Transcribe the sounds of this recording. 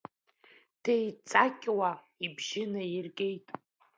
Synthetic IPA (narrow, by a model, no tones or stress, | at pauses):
tʰejt͡sʼakʲʼwa | ibʒɪnairɡʲʼejtʼ